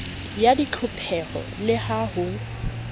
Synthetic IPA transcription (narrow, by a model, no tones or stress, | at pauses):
jadit͡ɬʰʊpʰɛɣɔ̰lɪhahʊ